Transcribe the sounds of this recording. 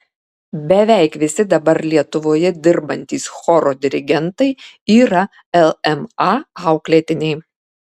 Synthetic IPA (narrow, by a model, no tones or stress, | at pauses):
bʲɛʋʲæˑɪkʋʲɪsʲɪd̪ɐbɐɾlʲiɛt̪ʊʋoːjɛd̪ʲɪɾbɐnʲt̪ʲiːsxɔɾod̪ʲɪɾʲɪɡʲɛnt̪ɐɪiːɾɐ | ɛlˠɛmɑɑˑʊklʲet̪ʲɪnʲɛɪ